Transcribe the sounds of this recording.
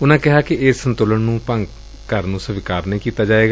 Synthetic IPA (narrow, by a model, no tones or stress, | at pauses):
ʊnãːkɪɦaːkɪɪsːə̃nt̪oːləɳnũːpə̃ŋɡ | kəɾnũːsəʋɪkaːɾnəĩkiːt̪aːd͡ʒaːeːɡaː